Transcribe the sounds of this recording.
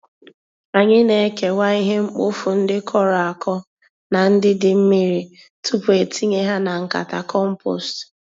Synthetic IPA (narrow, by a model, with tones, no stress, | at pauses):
a˨ɲɪ˦ne˨˦ke˨wa˦i˦ɦe˦ŋ͡m̩˦k͡po̰˦fu˨n̩˦dɪ˦kʰɔ˦ɾɔ˨a˨kʰɔ˦ | na˨n̩˦dɪ˦dɪ˦m̩˦mi˦ɾi˨ | tu˦pu˨e˨tʰi˦ɲe˦ɦa˦na˨ŋ̩˨ka̰˨ta̰˨kɔ˦m̩˦po̰˨st